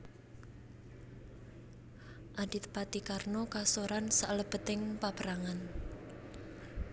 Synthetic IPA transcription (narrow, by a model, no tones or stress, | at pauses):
ʔadit̪̚pat̪ikarnokasoɾansaʔləb̥ə̤t̪ɪŋpapəɾaŋan